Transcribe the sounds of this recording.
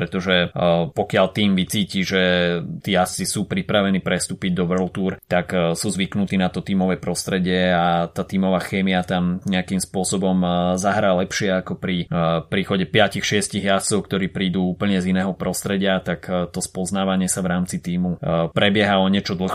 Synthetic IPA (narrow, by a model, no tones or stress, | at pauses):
pɾɛt̪ɔʒɛpɔkɪalt̪iːmʋit͡siːciʒɛt̪iːjast͡sisuːpɾipɾaʋɛniːpɾɛst̪uːpiɟd̪ɔʋlt̪uɾt̪aksuːzʋiknut̪iːnat̪ɔt̪iːmɔʋɛpɾɔst̪ɾɛɟɪɛat̪aːt̪iːmɔʋaːxɛːmiat̪amɲɛakimspʊɔsɔbɔmzaɦɾaːlɛpʃɪɛakɔpɾipɾiːxɔɟɛpɪacixʃɪɛsciɣjast͡sɔʊkt̪ɔɾiːpɾiːd̪uuːpl̩ɲɛzinɛːɦɔpɾɔst̪ɾɛɟɪat̪akt̪ɔspɔznaːʋaɲɪɛsaʋɾaːmt͡sit̪iːmupɾɛbɪɛɦaɔɲɪɛt͡ʃɔd̪l̩x